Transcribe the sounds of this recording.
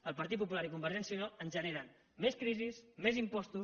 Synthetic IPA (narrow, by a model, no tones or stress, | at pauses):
əlˠpəɾt̪it̪̚pup̬ulaɾikumbəɾʒɛnsiunalənʒəneɾən | meskɾizismezimpɔst̪u